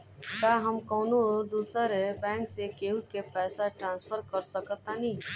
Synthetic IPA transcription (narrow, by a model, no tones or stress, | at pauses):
kaːɦɐmkoːnod̪uːsəɾebɛ̃ːŋksekeũkepɛːsaʈɾãːnspʰəɾkəɾsəkət̪ːanĩː